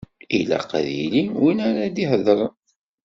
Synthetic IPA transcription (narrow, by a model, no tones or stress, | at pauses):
ilæ̰qa̰ðḭliwinaɾad̪ihəðˤəɾˤ